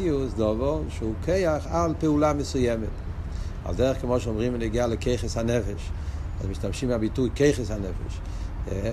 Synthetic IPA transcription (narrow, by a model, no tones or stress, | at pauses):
ʊsdɔvɔlˠʃukʰeɪaχalˠpɛulˠamɪsʊjɛmət | a̰lˠdɛʁəχkəmɔʃɔmʁimənɪɡalˠəkeɪχəsanɛfɛʃa̰smɪʃtamʃimabitukeɪχəsanɛfɛ̰ʃ